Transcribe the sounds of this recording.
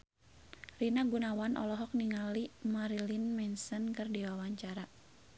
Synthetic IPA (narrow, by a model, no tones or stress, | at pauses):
rinaɡunawanʔɔ̰lɔɦɔk̚niŋalimaɾilinmɛnsənkɨrdiwawaɲt͡ʃaɾa